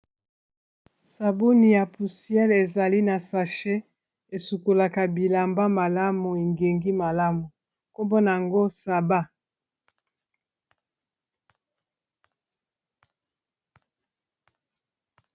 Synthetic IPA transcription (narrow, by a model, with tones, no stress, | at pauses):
sa˨bo˦ni˨ja˨pu˨si˦ɛ˦le˨za˨li˦na˨sa˨ʃe˦ | e˨su˨ko˨la˨ka˨bi˨la˨mba˦ma˨la˦mu˨e˨ŋɡe˨ŋɡi˦ma˨la˦mu˨ | ko˦mbo˦na˨ja˨ŋɡo˦sa˨ba˦